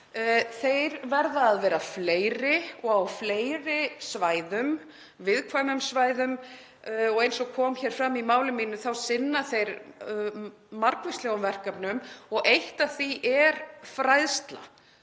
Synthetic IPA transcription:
θejɾvɛɾðaːðvɛːɾafleːjɾɪɔɣawfleːjɾɪsvaːjðʏm | vɪðkʰvajmʏmsvaːjðʏm | ɔɣejnsɔɣkʰɔːmçɛːɾ̥fɾamːimaːwlɪmiːnʏθawsɪnːaθejɾ | maɾkvɪst̪lɛɣʏmvɛr̥kapnʏmɔɣejht̪aθiʔɛɾ̥fɾajðst̪la̰

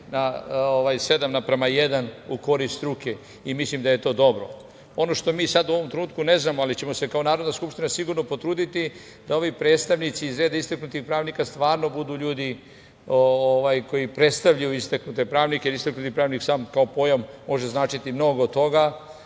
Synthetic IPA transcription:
naoʋajse̞d̪amnapɾemajed̪anuko̞ɾist̪ɾuke | imislimd̪aje̞t̪o̞ːd̪o̞bɾo̞̰ | o̞no̞ʃt̪o̞miːsad̪uo̞ʋo̞mt̪ɾenuːt̪̚kune̞znaːmoalit͡ɕe̞mo̞se̞kaonaːɾo̞d̪naskupʃt̪inasiɡuɾno̞po̞t̪ɾuːd̪it̪i | d̪ao̞ʋipɾe̞ːt̪st̪aʋnit̪siːzɾe̞ːd̪aist̪aknut̪ixpɾaːʋnikast̪ʋaːɾno̞bud̪uːʎuːd̪i | ooʋajko̞jipɾe̞t̪st̪aʋʎajuist̪aknut̪e̞pɾaːʋnikeɾist̪aknut̪ipɾaːʋniksaːmkaopo̞jamːo̞ʒe̞znaːt͡ʃit̪imno̞ɡod̪t̪ːoɡa

